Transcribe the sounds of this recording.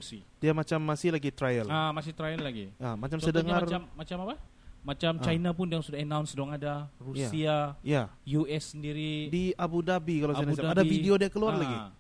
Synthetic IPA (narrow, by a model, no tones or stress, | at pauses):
sidiamat͡ʃamːasɪhlaɡit̪ɾajəlamasɪt̪ɾajəlːaɡḭamat͡ʃamsədəŋaramːat͡ʃamapa | mat͡ʃamt͡ʃainapʊndiaŋsudahənawnsdɔŋadarujsaiajajuɛsːəndiɾidiabudabikalasanasaadafideodiakəluarlaɡi